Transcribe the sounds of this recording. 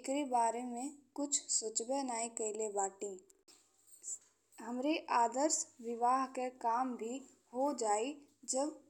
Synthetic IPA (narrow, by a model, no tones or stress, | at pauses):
kɾebaːɾemẽkʊt͡ʃʰsʊt͡ʃbenaːikɐlebaːʈĩː | ɦəmɾeʔaːd̪əɾsʋɪʋaːɦkekaːmbʱi | ɦod͡ʒaːi | d͡ʒəb